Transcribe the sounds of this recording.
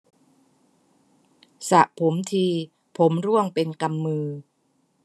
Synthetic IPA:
sa˨˩ʔpʰo˩˦mt̪ʰiː˧ | pʰo˩˦mɾu˥˩əŋpe˧nka˧mːɯː˧

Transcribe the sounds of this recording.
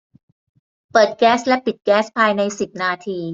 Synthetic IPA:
pɤː˨˩t̪̚kɛː˦˥slɛ˦˥pi˨˩t̪̚kɛː˦˥spʰaː˧jna˧jsi˨˩p̚naː˧t̪ʰiː˧

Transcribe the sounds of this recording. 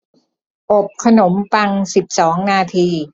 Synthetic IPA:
ʔo˨˩p̚kʰa˧no˩˦mpa˧ŋsi˨˩p̚sɔː˩˦ŋnaː˧t̪ʰiː˧

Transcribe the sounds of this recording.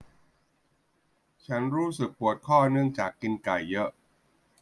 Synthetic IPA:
t͡ɕʰa˦˥nɾuː˦˥sɯ˨˩k̚pu˨˩ət̪̚kʰɔː˥˩nɯ˥˩əŋt͡ɕaː˨˩kːi˧nka˨˩jːɤ˦˥ʔ

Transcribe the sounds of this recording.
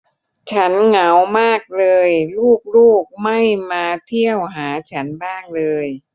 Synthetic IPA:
t͡ɕʰa˦˥nŋa˩˦wmaː˥˩k̚lɤː˧jluː˥˩k̚luː˥˩k̚ma˥˩jmaː˧t̪ʰi˥˩əwɦaː˩˦t͡ɕʰa˦˥nbaː˥˩ŋlɤː˧j

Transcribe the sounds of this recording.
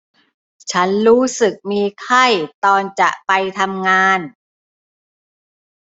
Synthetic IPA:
t͡ɕʰa˦˥nɾuː˦˥sɯ˨˩k̚miː˧kʰa˥˩jt̪ɔː˧nt͡ɕa˨˩ʔpa˧jt̪ʰa˧mŋaː˧n

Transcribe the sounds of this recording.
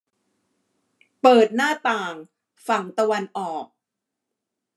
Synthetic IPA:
pɤː˨˩t̪̚naː˥˩t̪aː˨˩ŋ | fa˨˩ŋt̪a˧wa˧nʔɔː˨˩k̚

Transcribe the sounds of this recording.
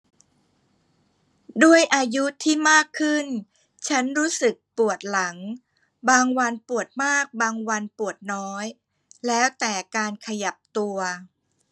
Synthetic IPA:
du˥˩əjʔaː˧ju˦˥t̪ʰiː˥˩maː˥˩kʰːɯ˥˩n | t͡ɕʰa˦˥nɾuː˦˥sɯ˨˩k̚pu˨˩ət̪̚la˩˦ŋ | baː˧ŋwa˧npu˨˩ət̪̚maː˥˩k̚baː˧ŋwa˧npu˨˩ət̪̚nɔː˦˥j | lɛː˦˥wt̪ɛː˨˩kaː˧nkʰa˧ja˨˩p̚t̪u˧ɐ

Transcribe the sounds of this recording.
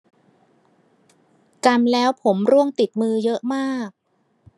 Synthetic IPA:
ka˧mlɛː˦˥wpʰo˩˦mɾu˥˩əŋt̪i˨˩t̪̚mɯː˧jɤ˦˥ʔmaː˥˩k̚

